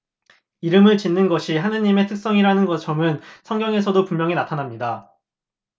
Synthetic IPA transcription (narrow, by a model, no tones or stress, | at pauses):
iɾɯmɯɭt͡ɕinːɯnɡʌɕʰiɦanɯɲime̞tʰɯk̚s͈ʌŋiɾanɯnɡʌt͡ɕʰʌmɯnsʰʌŋɡjʌŋe̞sʰʌdopummjʌŋinatʰanamɲida